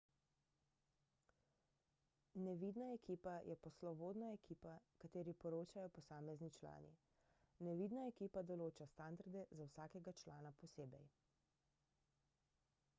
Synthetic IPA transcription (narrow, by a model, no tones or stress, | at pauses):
nɛʋiːd̪naɛkiːpajɛpɔslɔboːd̪naɛkʰiːpakat̪eːɾipɔɾoːt͡ʃajɔpɔsaːmɛznit͡ʃla̰ːnḭ | nɛʋid̪naɛkiːpad̪ɔloːt͡ʃast̪and̪aɾd̪ɛzawsaːkɛɡat͡ʃlaːnapɔseːbɛj